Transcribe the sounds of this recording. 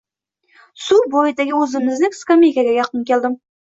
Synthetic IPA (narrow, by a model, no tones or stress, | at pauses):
subojɪd̪eɡʲɪɵzɪmɪznɪŋskamʲejkʲaɡʲæjɑqːənkʲʰelʲˠd̪ɪm